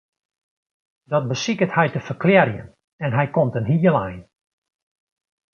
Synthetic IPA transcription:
dɔt̚bəsikəthɛjtəfərkljɛrjə̰n | ɛnɦɛjkomtənɦiːəlˠɛjn

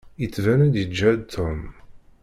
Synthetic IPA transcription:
jət͡sːvænæd̪jəd͡ʒːæt̪ʰːom

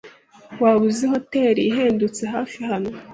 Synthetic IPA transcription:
waːβuziɦo̞te̞ːɾiːɦeːndut͡seɦaːfihano̞

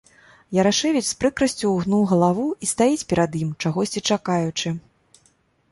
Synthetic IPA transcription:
jɐɾaʂɛvʲit͡sʲspɾɨkɾɐsʲt͡sʲuːɣnuwɣɐlˠavuist̪ajit͡sʲpʲɛɾɐd̪jimt͡ʂaɣɔsʲt͡sʲit͡ʂakajut͡ʂɨ

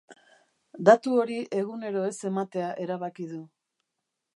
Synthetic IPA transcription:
d̪at̪uo̞ɾiʔe̞ɣ̞une̞ɾo̞e̞se̞mat̪e̞aʔe̞ɾaβakið̞u

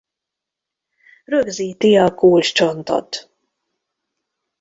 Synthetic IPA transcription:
røɡziːt̪iɒkuːlt͡ʃt͡ʃo̞nt̪ɒ̰t̪

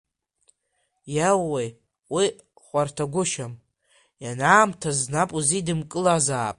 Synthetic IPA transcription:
jawːej | wi | χʷartʰaɡʷʊʃam | janaːmtʰaznapʼuzidɨmkʼɨlazaːpʼ

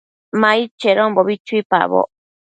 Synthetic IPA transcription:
mait͡ʃeɾomboβit͡ʃuipa̰βo̰

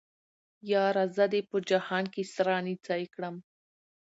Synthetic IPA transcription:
jɑːɾazəd̪epəd͡ʒahɑnkesɾɑːnit͡sɑjkɽəm

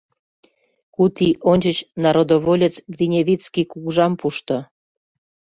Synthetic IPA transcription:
kut̪iʔonʲt͡ɕət͡ɕnɑɾod̪oβolʲet͡sɡrinʲevit͡skikuɣʒɑmpuʃt̪o

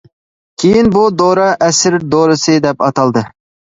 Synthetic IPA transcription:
kʲʰejinbud̪oɾɑʔɛsɪɾd̪oɾɨsɨd̪ɛpɑt̪ɑlˠd̪ɨ

